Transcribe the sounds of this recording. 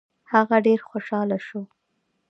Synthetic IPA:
haɣaɖeɾxoʃɑlaʃo

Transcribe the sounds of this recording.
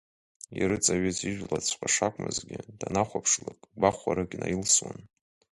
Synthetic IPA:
iɾɨt͡sʼaɥɪziʒʷᶣlat͡sʷʰqʼaʂakʷʼmɨzɡʲɪd̥anaχʷapʰʂlakʼbaχʷaɾɨɡʲnajilswa̰n

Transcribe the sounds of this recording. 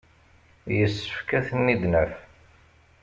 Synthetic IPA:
jəsːə̥fkæθənːid̪nəf

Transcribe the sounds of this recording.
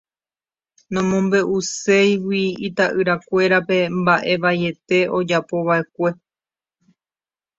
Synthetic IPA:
nõmõmbe̞ʔuse̞jwiit̪aʔɨɾakʷe̞ɾape̞mbaʔe̞ʋajet̪e̞o̞d͡ʒapo̞βae̞kʷe̞

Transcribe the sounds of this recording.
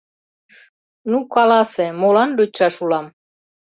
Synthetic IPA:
nukɑlɑsemolɑnd̪øt͡ɕːɑʃulɑm

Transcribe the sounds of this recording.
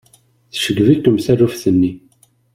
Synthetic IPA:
θʃəɡvikːəmθærufθənːi

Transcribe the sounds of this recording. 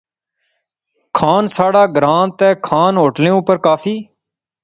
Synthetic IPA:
kʰaːnsaːɽaːɡɾaːnt̪ɛːkʰaːnɦoːʈnẽːʊpəɾkaːpʰiː

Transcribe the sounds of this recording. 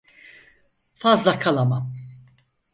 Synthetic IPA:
fɐːzd̪ɐkʰɐlɐmɐ

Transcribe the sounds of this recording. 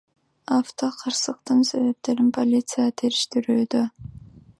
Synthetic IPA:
aft̪o̞qʰɑɾsəq̚t̪ɨnse̞βe̞p̚t̪e̞ɾɪmpʰo̞lʲit̪sɨjat̪ʰeɾɪʃt̪ɪɾyːd̪ø

